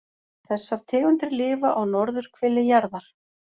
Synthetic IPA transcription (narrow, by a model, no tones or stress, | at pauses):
θɛsːaɾ̥t̪ʰɪːɣʏnt̪ɾɪɾlɪːvaʔaɣnɔɾðʏɾ̥kʰvɪlːɪjaɾðaɾ̥